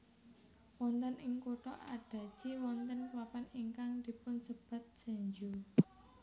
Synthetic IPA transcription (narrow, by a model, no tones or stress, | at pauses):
wɔnt̪ənʔɪŋkuʈɔ̰ʔaɖ̥a̤d̥ʒ̥iwɔnt̪ənkwapaniŋkaŋd̪̥i̤pʊnsəb̥a̤t̪̚d̥ʒ̥a̤ɲd͡ʒu